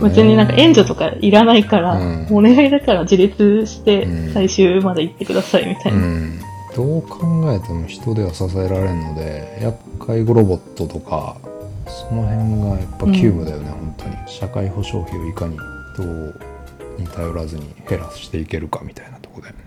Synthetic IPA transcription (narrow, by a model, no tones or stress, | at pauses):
mɯzeɲːinãŋkaʔẽ̞ɲ̟d͡ʑot̪o̞kaʔiɾanaikaɾaone̞ɡaɡed̪akaɾad͡ʑiɾʲit͡sɨɕi̥t̪e̞saiɕɨːmad̪eit̪ːe̞kɯ̟d̪asaimʲit̪aina | d̪̥o̞ːkʰãŋɡae̞t̪emoçi̥t̪o̞d̪e̞βasas̬ae̞ɾaɾe̞ɯno̞d̪e̞jakʰːaiɡo̞ɾo̞bo̞t̪ːot̪o̞kʰa̰ | so̞no̞ɦẽ̞ŋɡajapːakʲʰɨːmɯ̟d̪ajo̞nehõ̞nt̪ʰo̞ɲ̟ḭɕakaiho̞ɕo̞̰ːçio̞ikaɲ̟id̪̥o̞ː | ɲ̟it̪ʰajo̞ɾazɨɲ̟ihe̞ɾasɨ̥ɕi̥t̪e̞ike̞ɾɯ̟kamʲi̥t̪ainat̪o̞̥ko̞d̪e̞